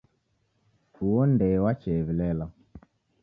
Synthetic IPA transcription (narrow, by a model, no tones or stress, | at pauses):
uwɔndɛwat͡ʃɛβilɛla